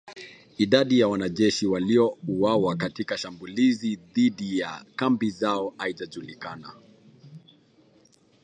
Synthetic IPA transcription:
iɗaɗijawanaʄɛʃiwaliɔuwawakatikaʃambuliziðiɗijakambizaɔhaiʄaʄulikana

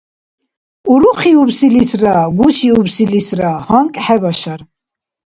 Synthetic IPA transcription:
uɾuχiubsilisɾaɡuʃiubsilisɾahaŋkʼħɛvaʃaɾ

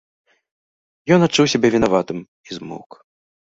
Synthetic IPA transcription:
jɔnatt͡ʂːuwsʲɛbʲɛvʲinavat̪ɨm | izmṵk

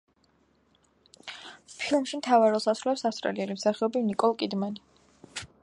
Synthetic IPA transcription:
pʰilˠmʃimt̪ʰavaɾɔlˠsasɾulɛpsast̪ʼɾa̰liɛlimsaχɛɔbimnikʼɔlˠkʼid̪mani

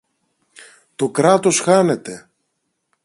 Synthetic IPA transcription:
t̪o̞kɾɐt̪o̞sxɐne̞t̪e̞

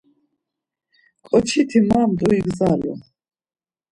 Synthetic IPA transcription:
kʼɔt͡ʃʰit̪ʰimaːmd̪ʼuiɡzalɔ̰

